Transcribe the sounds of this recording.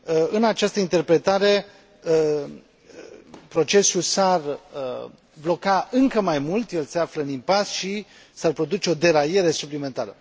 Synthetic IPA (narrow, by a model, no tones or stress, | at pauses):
əɨnat͡ʃast̪əint̪e̞rpɾe̞t̪aɾe̞ | ə | pɾo̞t͡ʃe̞sulsar | blo̞kaɨŋkəmajmult̪je̞lse̞afləɨnimpasʃi | sarpɾo̞d̪ut͡ʃe̞o̞d̪e̞ɾaje̞ɾe̞suplime̞nt̪aɾə